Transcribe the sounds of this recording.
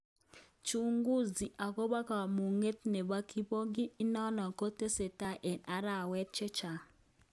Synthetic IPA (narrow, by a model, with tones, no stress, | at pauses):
t͡ʃu˦ŋɡu˦zi˨ʔa˨ko˦ba˦ka˨mu˨ŋe˦tnɛ˨ba˦ki˦bo˦ɡi˦i˦nɔ˦nɔ˨ko˦te˦se˨ta˦ʔe˨na˨˦ɾa˦˨wɛ˦t̚t͡ʃɛ˦t͡ʃa˨